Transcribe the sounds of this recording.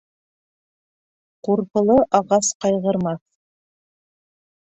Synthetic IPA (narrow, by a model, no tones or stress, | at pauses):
quɾpɤ̆lˠɤʔɑʁɑsqɑjʁɤ̆ɾmɑθ